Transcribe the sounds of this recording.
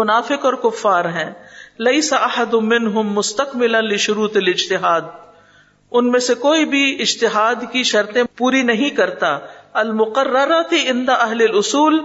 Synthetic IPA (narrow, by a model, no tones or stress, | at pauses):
ʊnaːfɪqɔːɾkʊfːaːɾɦɛ̃ːlɐɪsaʔɐħad̪ʊmːɪnɦʊmːʊst̪ɐqmɪlɐnlɪʃʊɾuːt̪ɐlɪd͡ʒt̪ɪɦaːd̪̚ | ʊnmẽsekoːibʱiɪd͡ʒt̪ɪɦaːd̪kiʃɐɾt̪ẽpuːɾinɐɦĩkɐɾt̪aːɐlmʊqɐrːɐɾat̪iʔɪ̃nd̪aʔɐɦlɐlʊsuːl